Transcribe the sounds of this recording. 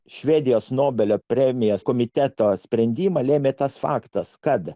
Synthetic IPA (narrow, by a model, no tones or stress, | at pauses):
ʃʲʋʲeːd̪ʲɪjoːsnoːbʲɛlʲoːpʲɾʲɛmʲɪjoːskoːmʲɪt̪ʲɛt̪oːsʲpʲɾʲɛnʲd̪ʲiːmɐlʲeːmʲeːt̪ɐsfɑ̰ːkt̪ɐskɐt̪